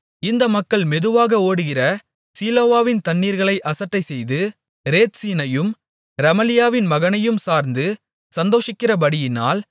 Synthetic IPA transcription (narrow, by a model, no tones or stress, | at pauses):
ɪnd̪ɐmɐkːɐɭmɛðɯʋaːɣɐoːɽɯɣɪrɐ | siːloːʋaːʋɪnt̪ɐɳːiːɾɣɐɭɐɪʔɐsɐʈːɐɪsɛjðɯ | ɾeːt̪siːnɐjɯm | ɾɐmɐlɪjaːʋɪnmɐɣɐnɐjɯmsaːɾnd̪ɯ | sɐnd̪oːʂɪkːɪrɐbɐɽɪjɪna̰ːl